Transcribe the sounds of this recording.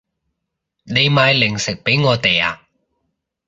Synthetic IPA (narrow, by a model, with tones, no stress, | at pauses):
ne˨˧jmaː˨˧jlɪ˨˩ŋsɪ˨k̚pe˨˥jŋɔː˨˧t̪e˨ja̰ː˧